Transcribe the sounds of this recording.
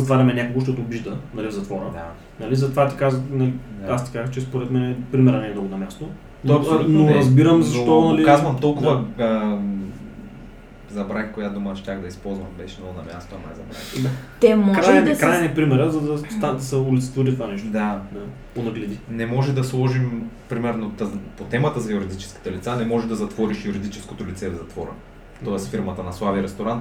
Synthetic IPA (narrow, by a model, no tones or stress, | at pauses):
zɐt̪vaɾʲɐmɛnʲakoɡoʃt̪ɔt̪oːbiʒd̪ənɐlivzɐt̪vɔɾə̰d̪a | nɐlizɐt̪ovat̪i̥kazənɐliast̪i̥kazəxt͡ʃɛspoɾɛt̪mɛnɛpɾimɛɾɐnɛd̪ɔɡʊnɐmʲjast̪o | noɐsnoɾɐzbiɾəmzɐʃt̪ɔnɐlikazvɐmt̪ɔlˠkʊvɐə | zɐbɾakkojad̪omɐʃt̪ʲaxd̪ɐispɔlˠzvɐmbɛʃɛnɔɡnɐmʲja̰st̪oɐna̰jzɐbɾa̰xt̪ɛmɔkɾakɾajnɛpɾimɛɾəzɐd̪ɐst̪ad̪ɐsɐulʲit̪sət̪voɾit̪vanɛʃt̪d̪ad̪a | ponɐɡlɛd̪inɛmɔʒɛd̪ɐslˠɔʒimpɾimɛɾnot̪əpot̪ɛmət̪əzɐjuɾid̪it͡ʃɛ̥ski̥t̪ɛlit̪sanɛmɔʒɛd̪ɐzɐt̪vɔɾiʃjuɾid̪it͡ʃɛ̥skot̪olit̪sɛvzɐt̪vɔɾə̰ | t̪ɔɛsfiɾmɐt̪ənɐslˠaviɾɛst̪oɾant̪